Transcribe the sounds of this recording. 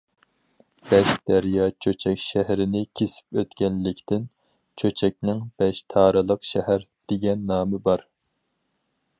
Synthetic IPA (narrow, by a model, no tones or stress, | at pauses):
b̥ɛʃd̪̥æɾjɑt͡ʃʰøt͡ʃʰɛkʲʃæhɾɪnɪkʲʰesɪ̥pøt̪kʲɛnlɪkʲt̪ʰɪn | t͡ʃʰøt͡ʃʰɛk̚ʲnɪŋb̥ɛʃt̪ʰɑːɾɨlˠəqʃɛhæɾ | d̪̥eɡʲɛnːɑːmɨbɑɾ